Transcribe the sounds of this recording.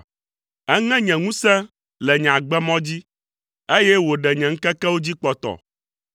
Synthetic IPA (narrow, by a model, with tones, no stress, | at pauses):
ɛ˦ŋɛ̃˦ɲɛ̃˨ŋũ˦sɛ̃˦ | lɛ˨ɲ̃˨ã˨ɡ͡bɛ˦mɔ̃˦d͡ʑi˦ | e˦jɛ˦wo˨ɖɛ˨ɲɛ̃˨ŋ̩˦kɛ˦kɛ˦wo˦d͡ʑi˦k͡pɔ˦t̪ɔ̰˨